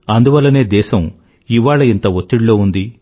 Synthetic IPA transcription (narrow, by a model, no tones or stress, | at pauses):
ɐnd̪uʋɐlːɐne̞ːd̪ɛːʃɐm | iʋaːɭɐint̪ɐʋot̪ːiɽlo̞ːund̪i